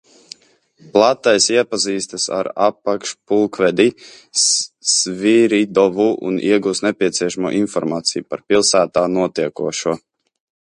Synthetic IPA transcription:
plˠat̪ːajsiɛpaziːst̪asa̰ɾapːakʃpulˠkvɛd̪i | ssviɾid̪ɔvuʔṵnḭɛɡuːsnɛpʲiɛt̪sʲiɛʃamuɔ̰ʔinfɔɾmaːt̪sijupaɾpilˠsæːt̪aːnuɔt̪iɛkuɔʃuɔ

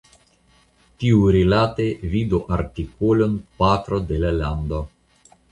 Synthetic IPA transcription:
t̪iuɾilat̪evid̪oʔaɾt̪ikolonpat̪ɾod̪elaland̪o

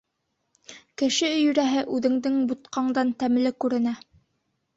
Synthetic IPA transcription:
kɘ̆ʃɘɵ̆jɵ̆ɾæɦɘʔʉðɘ̆ŋd̪ɘŋbut̪qɑɴd̪ɑnt̪æmlɘkʉɾɘ̆næ

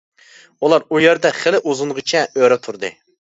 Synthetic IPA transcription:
ulˠɑɾujɛɾd̪ɛχɪlɪʔuzunʁɨt͡ʃʰɛøɾɛt̪ʰuɾd̪ɨ̰

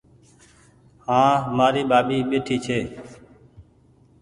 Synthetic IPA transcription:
hãːmaːɾiːɓaːɓiːɓeːʈʰiːt͡ʃʰeː

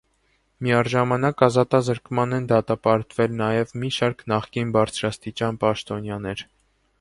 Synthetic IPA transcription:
miɑɾʒɑmɑnɑkɑzɑt̪ɑzəɾkmɑnɛnd̪ɑt̪ɑpɑɾt̪vɛlnɑjɛvmiʃɑɾknɑχkinbɑɾt͡sʰɾɑst̪it͡ʃɑnpɑʃt̪ɔnjɑnɛɾ

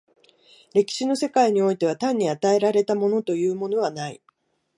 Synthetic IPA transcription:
ɾe̞kʲi̥ɕino̞se̞kaiɲ̟io̞it̪e̞βat̪ãɲ̟ːiat̪ae̞ɾaɾe̞t̪amo̞no̞t̪o̞jɯ̟ːmo̞no̞β̞anaḭ

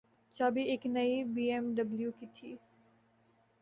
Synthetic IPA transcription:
t͡ʃaːbiɪknɐibiːɛmɖɐbljukit̪ʰiː

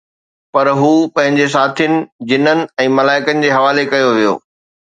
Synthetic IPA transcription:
pɐɾɦuːpɐ̃ɦɪ̃ɲd͡ʑes̬aːt̪ʰinɪ̆d͡ʑɪnənɪ̆ɛ̃ːmɐlaːɪkənɪ̆d͡ʑeːɦɐʋaːlekɐjoʋijo̰ː

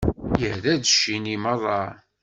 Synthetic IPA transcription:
jəhðæðəʃːiniməðˤɑ

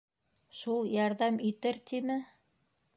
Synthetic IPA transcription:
ʃulˠjɑɾðɑmit̪ɘɾt̪imɘ

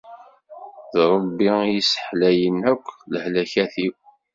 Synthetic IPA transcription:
ðɾˤəbːijisə̥ħlæjənækʷːləhlæçæθiw

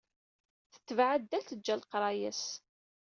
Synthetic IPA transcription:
θə̥t̪ːəvʕad̪ːæθəd͡ʒːælqɾˤɑjæs

